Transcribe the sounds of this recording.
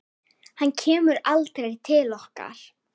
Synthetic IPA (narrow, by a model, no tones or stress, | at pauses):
hancʰɛːmʏɾalt̪ɾejt̪ʰɪlɔhka̰ɾ̥